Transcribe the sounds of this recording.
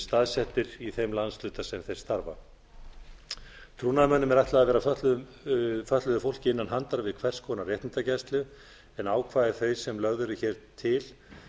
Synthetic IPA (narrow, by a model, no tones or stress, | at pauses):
st̪aːðsɛht̪ɪɾiθejmlanslʏːt̪asɛmθejɾ̥st̪aɾva̰ | t̪ʰɾuːnaðmœnːʏmɛɾajht̪laaðvɛːɾafœt̪lʏðʏm | fœt̪lʏðʏfowl̥cɪɪnːanɦant̪aɾavɪðkʰvɛr̥skʰɔnarjɛht̪nɪnt̪acɛst̪lʏ | ɛnaːwkʰvaːðɛɾ̥θejsɛmlœɣðʏɾʏçɛːɾ̥t̪ʰɪl